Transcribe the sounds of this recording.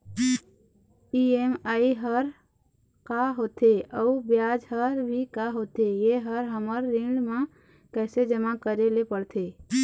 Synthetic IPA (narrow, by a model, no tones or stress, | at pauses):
iemaːiɦəɾ | kaɦoːt̪eəubjaːd͡ʒɦəɾbʱikaɦoːt̪ejeɦəɾɦəməɾːɪ̃ɖmã | kɛːsed͡ʒəmakəɾelepəɽt̪ʰeː